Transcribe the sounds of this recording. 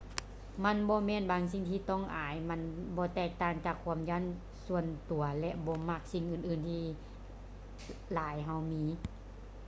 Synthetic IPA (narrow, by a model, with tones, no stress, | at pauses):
ma˧˥˨nbɔː˧˦mɛː˧˥˨nbaː˨˧˦ŋs̬i˧˨ŋt̪ʰiː˧˩t̪ɔ˧˥˨ŋʔaː˨˦jma˧˥nbɔː˧˦t̪ɛː˧˩k̚t̪aː˧˩ŋt͡ɕaː˧˩kʰːu˧˦əmjaː˧˥˨n | su˧ənt̪u˨˩˦ɐlɛ˧ʔbɔː˧˦ma˧˩k̚si˧˩ŋʔɯː˧˩nʔɯː˨˧˩nt̪ʰiː˧ | laː˨˦jɦa˧˩wmiː˧˥